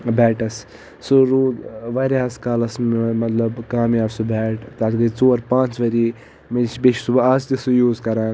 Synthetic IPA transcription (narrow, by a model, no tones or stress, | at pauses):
bɛːʈɐs | suɾuːd̪ʋɐɾaːskalɐsmmɐt̪lɐbkaːmjaːbsubʱɛːʈt̪aːt̪ɡɐt͡soːɾpãːnt͡sʋɐɾiː | met͡ʃʰbeʃʰisubaːst̪isujuːzkɐɾaːn